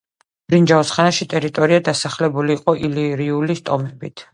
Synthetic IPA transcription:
b̥ɾind͡ʒaɔsχanaʃit̪ʼɛɾit̪ʼɔɾiad̪asaχlɛbuliːqʼɔʔiliɾiulist̪ʼɔmɛbit̪ʰ

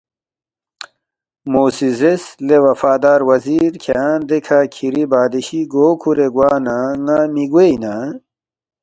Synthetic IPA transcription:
moːsizeslewɐfaːd̪aːɾwɐziɾkʰeaːnd̪ekʰakʰiɾibaːd̪iɕiɡoːkʰuɾeɡwaːnaŋamiɡweina

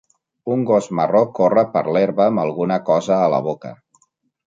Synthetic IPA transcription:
uŋɡozmərokorəpə̰ɾleɾβəːməlˠɣunəkɔzəːlə̰β̞okə̰

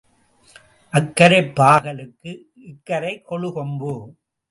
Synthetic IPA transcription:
ʔɐkːɐɾɐɪpːaːɣɐlɯkːɯ | ɪkːɐɾɐɪkːɔɭɯkɔmbɯ

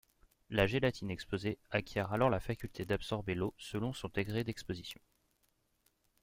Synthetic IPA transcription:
laʒelat̪ʰinɛkspozeakʲjɛʁalɔʁlafakʲylt̪ʰed̪absɔʁbelosəlɔ̃sɔ̃d̪eɡʁed̪ɛkspozisjɔ̰̃

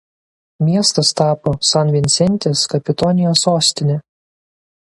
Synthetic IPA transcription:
mʲiɛst̪ɐst̪ɑːpoːsɑnʋʲɪnʲsʲɛnʲˑt̪ʲeːskɐpʲɪt̪ɔnʲɪjoːsoːsʲt̪ʲɪnʲɛ

